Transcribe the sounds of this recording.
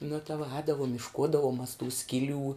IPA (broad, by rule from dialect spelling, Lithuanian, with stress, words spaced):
nʊ tɐ ʋuɔ ˈɛːdɐʋʊm ɪʃˈkuːdɐʋʊm mɐs tuː ˈsʲkʲɪˌlʲuː